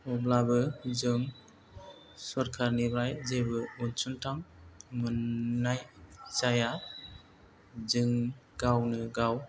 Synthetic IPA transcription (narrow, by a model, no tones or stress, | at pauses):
ɔblabɯzɯŋ | sɔɾkʰaɾniblajzebɯunsuntʰammɯnːajzaja | zɯŋɡ̥awnɯɡaw